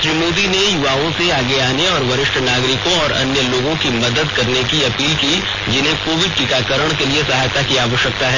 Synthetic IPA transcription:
ʃɾiːmoːd̪inejʊʋaːõseaːɡeaːneɔːɾʋɐɾɪʃʈʰənaːɡɾɪkõɔːɾɐ̰njəloːɡõkimɐd̪əd̪kɐɾnekiɐpiːlki | d͡ʒɪnɦẽkoːʋɪd̪̚ʈɪkaːkəɾəɽ̃keliesɐɦaːjt̪akiaːʋəʃjək̚t̪aɦɛː

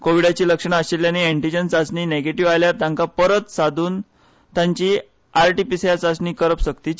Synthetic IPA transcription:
koʋiɽat͡ɕiːləkʂəɳ̃aəɕeljaniɛɳʈid͡ʑənsat͡sɳiːneɡeʈiʋajljaɾt̪jãŋkapəɾət̪sad̪ʱuːn | t̪jãɲt͡ɕiː | aɾʈipisjat͡sat͡sɳiːkəɾəpɕəkt̪iː

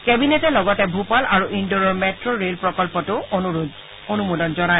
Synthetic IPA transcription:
kɛbinɛtɛlɔɡɔtɛbʱupalʔaɹuʔindɔɹɔɹmɛtɹɔɹelpɹɔkɔlpɔtʊ | onumudɔnzɔnaj

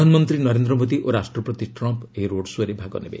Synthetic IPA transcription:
anɔmɔnt̪ɾinɔɾend̪ɾɔmod̪iʔoɾasʈɾɔpɾɔt̪iʈɾɔmpeɦiɾoɽswaɾebʱaɡɔ̰nḛbḛ

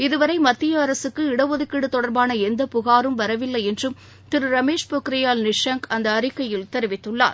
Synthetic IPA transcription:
ɪðɯʋɐɾɐɪmɐt̪ːɪjɐːɾɐsɯkːɯɪɽɐʋɔðɪkːɪɽɯt̪ːɔɽɐɾbaːnɐɛnd̪ɐpʊɣaːɾɯmʋɐɾɐʋɪlːɐjɛndrɯm | t̪ɪɾɯɾɐmeːʂpokɾɐjaːlnɪʂɐŋkɐnd̪ɐːɾɪkːɐjɪlt̪ɛɾɪʋɪt̪ːɯɭːa̰ːɾ

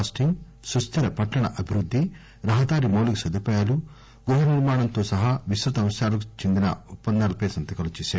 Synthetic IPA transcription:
sʈiŋ | sɾust̪ʰɐɾɐpɐʈːɐɳɐʔɐbʱiɾud̪ʱːi | ɾɐɦɐd̪aːɾimoːlukusɐd̪upɐːjaːlu | ɡɾuɦɐniɾmaːɳɐnt̪oːsɐɦaːʋisɾut̪ɐmɐsjaːlɐk̬u̥t͡ʃend̪inɐ̰utpːɐnd̪aːlɐpɐjsɐnt̪ɐkɐlut͡ʃɛːsaːi

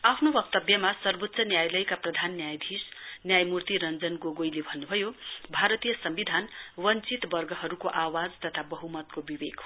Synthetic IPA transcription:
apʰnobʌk̚t̪ʌbjʌmasʌrbot̪ːsʌnjajlʌjkaprʌd̪ʱanːjajd̪ʱisnjajmurt̪iɾʌnd͡zʌnɡoɡojlebʱʌnːubʱʌjobʱaɾʌt̪ijʌsʌmbid̪ʱanwʌnt͡sit̪bʌrɡʱʌɦʌɾukoʔawad͡zt̪ʌt̪ʰabʌɦumʌt̪kobibeɡ̥

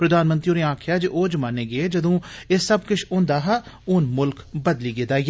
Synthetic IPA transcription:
pɾəd̪aːnmənt̪ɾioːneːãːkʰjaːd͡ʒiʔoːd͡ʒmaːneːɡeeːd͡ʒəd̪õːeːsəbkʊt͡ʃʰʊ̃ːnd̪aːɦaːʊnmʊlkbəd̪liːɡed̪aːij

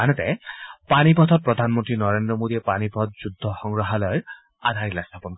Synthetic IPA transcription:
anet̪epanipɔt̪ʰɔt̚pɾɔd̪ʱanmɔnt̪ɾinɔɾend̪ɾɔmod̪iepanipɔt̪̚d͡ʒud̪ʱːɔxɔŋɹɔɦalɔjɔɾ | ad̪ʱaɾilast̪ʰapɔnk

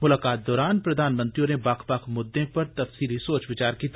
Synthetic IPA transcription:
mʊlaːkaːt̪̚d̪ɔːɾaːnpɾɐd̪ʱaːnmə̃nt̪ɾijõnebaːkʰbaːkʰmʊd̪ːẽpɐɾt̪ɐfsiːlisoːt͡ʃʋɪt͡ʃaːɾkit̪

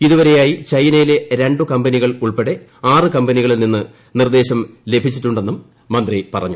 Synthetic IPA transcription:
iðuʋɐɾe̞jaːjit͡ɕɐjnɐjile̞ɾe̞ɳɖukɐmbɐniɣɐɭuɭpeɽe̞ | aːrɨkɐmbɐniɣɐɭilninːɨ | nird̪e̞ːɕɐmle̞bʱit͡ɕːiʈːuɳɖe̞nːumː | ɐnd̪ripɐrɐ̰ɲːu

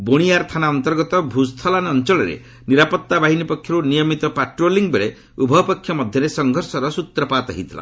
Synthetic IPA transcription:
boɽ̃ijaɾt̪ʰanaɔnt̪ɔɾɡɔt̪ɔbʱust̪ʰɔlanɔnt͡ʃɔɭɔɾḛ | niɾapɔt̪ːabaɦinipɔkʰjɔɾunijɔmit̪ɔpaʈɾoliŋbeɾe | ubʱɔpɔkʰːjɔmɔd̪ʱjɔɾesɔŋɡʱɔɾsɔɾɔsut̪ɾɔpat̪ɔɦit̪ʰila̰

